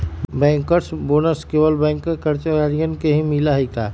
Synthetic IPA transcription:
bɛ̃ːŋkːəɾsbonəskeːʋəlbɛ̃ːŋkːekəɾt͡ʃaɾijənkeɦĩmilaɦət̪aː

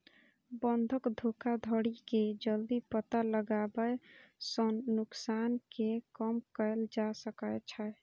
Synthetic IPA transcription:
bənd̪ʱəkd̪ʱokad̪ʱəɽiked͡ʒəld̪ipət̪aləɡabəsənːuksankekəmkəɪld͡ʒasəkət͡ʃʰə

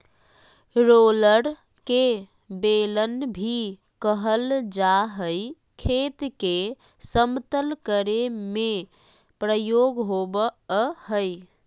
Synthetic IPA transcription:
ɾoləɾ | ke | belənbʱi | kəɦəld͡ʒaɦəj | kʰet̪ke | səmt̪əlkəɾeme | pɾəjoɡɦobəɦəj

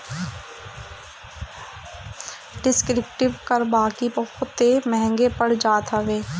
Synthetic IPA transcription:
ɖɪskɾɪp̚ʈɪʋkəɾbaːkibəhʊt̪ːemɛɦɛ̃ŋɡepəɽd͡ʒaːt̪aʋeː

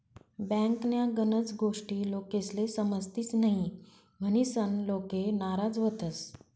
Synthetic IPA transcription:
bɛ̃ŋknjaɡənət͡sɡoʂʈiːlokeslesəməst̪iːt͡snaɦĩ | m̤əñisənlokenaɾad͡zʋət̪əs

